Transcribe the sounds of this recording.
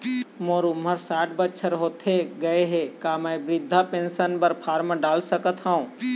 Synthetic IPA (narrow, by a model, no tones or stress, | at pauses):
moːɾumɦəɾsaːʈ̚ʰbətːʃʰəɾɦoːt̪ɦeɡəeɦekaːmɛebɾɪd̪ʱːapẽːnsənpəɾpʰaːɾməɖaːlsəkət̪ɦãũ